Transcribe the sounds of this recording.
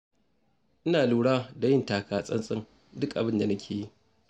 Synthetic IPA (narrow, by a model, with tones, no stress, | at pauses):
ʔɪ˦naː˨luː˨ɽaː˦da˨jɪ˦ntaː˨kaː˨sʼɐ˦nsʼɪ˦ŋ | dʊ˦kʔa˨bɪ˦nda˨nɐ˦kʲʰeː˨ji˦ʔ